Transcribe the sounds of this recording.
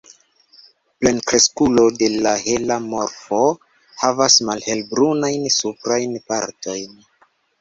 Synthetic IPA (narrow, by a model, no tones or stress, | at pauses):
ple̞nkɾe̞skulo̞de̞lahe̞lamo̞ɾfo̞ | havasmalhe̞lbɾunajnsupɾajnpa̰ɾto̞jn